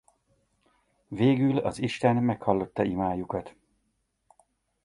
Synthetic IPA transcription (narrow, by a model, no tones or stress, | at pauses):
veːɡylɒ̰ziʃt̪ɛnmɛkhɒlːo̞t̪ːɒimaːjukɒt̪